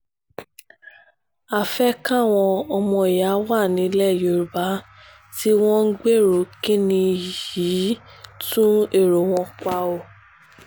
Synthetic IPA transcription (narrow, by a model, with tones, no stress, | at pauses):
a˨fɛ˦kã˦˨w̃ɔ̃˧ɔ˧mɔ̃˧i˨ja˨˦wa˦˨nĩ˨˦lɛ˦˨jo˨ɾu˨ba˨˦ | ti˦w̃ɔ̃˦ŋ̩˦ɡ͡be˦˨ɾo˨kĩ˦nĩ˧˨ji˨˦tũ˦e˦˨ɾo˨w̃ɔ̃˧k͡pa˧o˧˨